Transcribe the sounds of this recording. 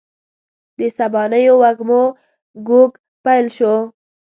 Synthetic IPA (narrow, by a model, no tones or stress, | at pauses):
d̪əsabɑnəjowaɡmo | ɡoɡ | pajlʃo